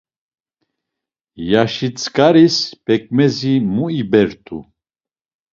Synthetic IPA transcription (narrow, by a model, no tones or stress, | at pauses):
jaʃit͡sʼkʼaɾispɛkʼmɛzimuibɛɾt̪ʰṵ